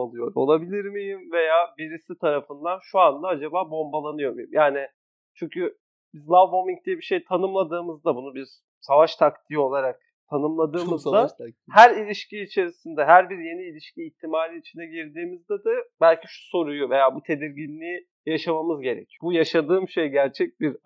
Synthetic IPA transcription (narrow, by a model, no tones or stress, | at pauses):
alˠɯjo̞ɾo̞̰lˠabilʲiɾmijimve̞jaːviɾisit̪ʰaɾafɯnd̪anʃuand̪aad͡ʒabaːbo̞mbalˠanɯjo̞mijḭmjaːnɪ | t͡ʃʰyɲcʰy | bizlˠavbomiŋk̚d̪ijɛbiʃe̞jt̪ʰanɯmlˠad̪ɯːmɯzd̪abunubiɾ | savaʃt̪ʰakt̪ʰijo̞lˠaɾak̚ | t̪ʰanɯmlˠad̪ɯːmɯzd̪ahæɾilʲiʃciːt͡ʃʰe̞ɾisind̪ɛɦæɾbiɾje̞niːlʲiʃciːçt̪ʰimaːɾiit͡ʃʰinɛɟiɾd̪iːmizd̪ɛd̪ɯbælʲciʃu̥so̞ɾujuve̞jaːbut̪ʰe̞d̪iɾɟinlʲiːi | jaʃamamɯzɟe̞ɾḛcʰiobujaʃad̪ɯːmʃejɟæɾt͡ʃʰɛc̚biɾ